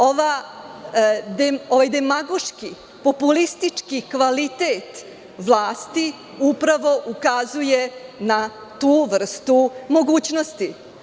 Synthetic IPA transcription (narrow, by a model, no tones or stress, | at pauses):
oʋa | d̪eoʋajd̪emaɡoʃki | po̞pulist̪it͡ʂkikʋalit̪eːt̪ | ʋlˠaːst̪i | upɾaʋo̞ʔukazujenat̪uːʋr̩st̪umo̞ɡuːt͡ɕnost̪i